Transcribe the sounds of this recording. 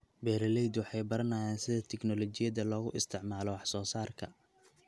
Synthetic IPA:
bɛːɾɐlɛjd̪wɑħɑjbɐɾɐnaːjɛːnsɪðɐt̪ʰɛknɔlɔt͡ʃɪjɐðɐlɔːɣʊ̰ʔɪst̪ʰɪʕmaːlɔwɑħsɔːsaːrkʰɐ̰

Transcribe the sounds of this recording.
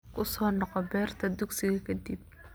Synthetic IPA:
kʰʊsɔːnɔqɔbɛːrt̪ʰɐd̪ʊɡsɪɣɐkʰɐd̪ib̚

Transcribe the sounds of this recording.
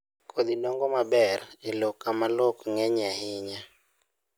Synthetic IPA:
kʰod̪inɔŋɡɔmabɛrelokamalokŋɛɲahɪɲa

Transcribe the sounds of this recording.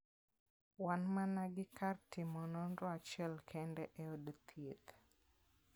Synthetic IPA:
wanmanaɡikaɾtimɔnɔndɔat͡ʃɛlkʰɛndɛʔɛɔdt̪ʰit̪

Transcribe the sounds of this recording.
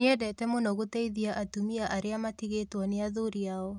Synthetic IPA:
ɛdɛtɛmonɔɣotɛiðiaʔatumiaʔaɾeamatiɣetwɔneaðoɾiaɔ

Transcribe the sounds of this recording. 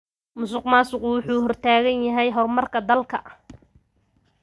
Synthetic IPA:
mʊsʊqmaːsʊquːwʊħuːɦɔrt̪ʰaːɣɐnjɐɦɛjɦɔrmɐrkʰɐd̪ɐlkʰɐʔ

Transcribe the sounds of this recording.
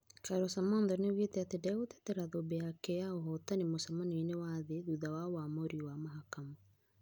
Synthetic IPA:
kaɾɔsamɔndɔnewetɛatedaɣote̥tɛɾaðobeakɛaoɦɔtanemosamanenewaðeðuðawawamoɾiwamaɦakama

